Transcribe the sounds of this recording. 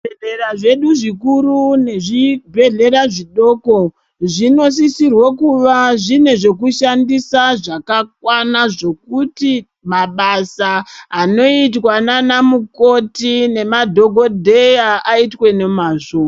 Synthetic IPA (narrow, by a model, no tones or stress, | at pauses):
eɮeraʐe̞ɗuʐikurune̞ʐibʱe̞ɮe̞ɾaʐiɗo̞ko | ʐino̞s̬isirwokuʋaʐine̞ʐe̞kuʃandisaʐakak̚wanaʐo̞kuti | maɓasaːno̞itwananamuko̞tine̞madʱo̞ɡʱo̞dʱe̞jaaitwe̞nemaʐua